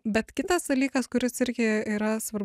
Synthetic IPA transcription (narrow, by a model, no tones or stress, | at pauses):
bʲɛt̪kʲɪt̪ɐsd̪ɐlʲiːkɐskʊɾʲɪsɪɾʲɡʲɪiːɾɐsʋɐrb